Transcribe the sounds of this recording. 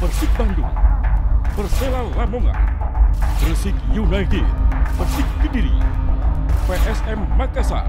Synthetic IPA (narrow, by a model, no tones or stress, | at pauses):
bərsik̚baŋdṵŋ | bərselalamoŋa̰ | bərsikjunajtid̚bərsɪk̚ːədiɾḭ | peʔɛsɛmːakasa̰